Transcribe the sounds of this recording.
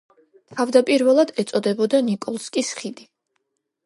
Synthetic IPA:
t̪ʰavd̪apʼiɾvɛlˠad̪ɛt̪sʼɔd̪ɛbɔd̪anikʼɔlˠskʼisχid̪i

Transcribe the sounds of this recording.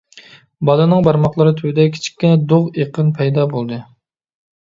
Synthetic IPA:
bɑlˠɨnɨŋbɑɾmɑqlˠɨɾɨt̪ʰywd̪ɛkʲʰi̥t͡ʃʰi̥kʲːinɛd̪oʁeqʰənpʰɛjd̪ɑbolˠd̪ɨ

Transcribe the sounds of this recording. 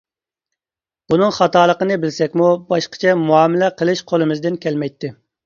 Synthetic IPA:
b̥unɨŋχɑt̪ɑːlˠəqənɨbɪlsɛkʲmubɑʃqə̥t͡ʃʰɛmuɑːmɪlɛqʰəlˠɨʃqʰolˠɨmɨzd̪ɪnkʲɛlmɛjt̪ʰːɪ

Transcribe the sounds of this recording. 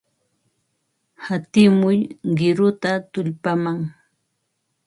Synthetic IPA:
hat̪ɪmʊjɢɪɾʊt̪at̪ʊʎpamaŋ

